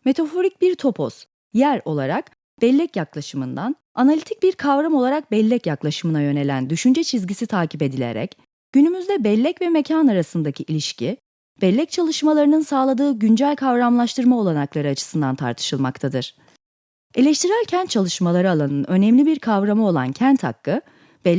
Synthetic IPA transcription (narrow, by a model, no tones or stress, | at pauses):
me̞t̪ʰafo̞ɾic̚biɾt̪ʰo̞pʰo̰s | jæɾo̞lˠaɾak | b̥ɛlʲːɛcjaklˠaʃɯmɯnd̪an | analʲit̪ʰic̚biɾkʰavɾamo̞lˠaɾak̚bɛlʲːɛcjaklˠaʃɯmɯnajø̞ne̞lʲæ̰nd̪yʃynd͡ʒɛt͡ʃʰizɟisit̪ʰaːcʰipe̞d̪ilʲḛɾɛ̰c | ɟ̥ynymyzd̪ɛbɛlʲːɛcvɛme̞cʰanaɾasɯnd̪acʰiʔilʲiʃcʰi | b̥ɛlʲːɛc̚t͡ʃʰalˠɯʃmalˠaɾɯnɯnsaːlˠad̪ɯːɟynd͡ʒælʲkʰavɾamlˠaʃt̪ʰɯɾmao̞lˠanaklˠaɾɯat͡ʃʰɯ̥sɯnd̪a̰nt̪ʰa̰ɾt̪ʰɯ̥ʃɯlˠma̰kt̪ʰad̪ɯɾ̥ | e̞lʲɛʃt̪ʰiɾælʲcʰænt̪̚t͡ʃʰalˠɯʃmalˠaɾɯalˠanɯnø̞nɛmlʲibiɾkʰavɾamɯo̞lˠa̰ncʰænt̪ha̰kːɯ | b̥ɛ